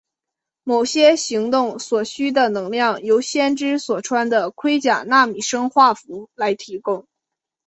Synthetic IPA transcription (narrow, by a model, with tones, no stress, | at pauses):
mo˨˩ʊɕjɛ˥ɕi˧˥ŋt̪ʊ˥˩ŋswɔ˨˩ɕy˥d̪ə˨nɤ˧˥ŋljɑ˥˩ŋjo˧˥ʊɕjɛ˥nʈ͡ʂɻ̩˥swɔ˨˩ʈ͡ʂʰwa˥nd̪ə˨kʰwe˥ɪt͡ɕja˨˩na˥˩mi˨˩ʂɤ˥ŋxwa˥˩fu˧˥la˧˥ɪt̪ʰi˧˥kʊ˥ŋ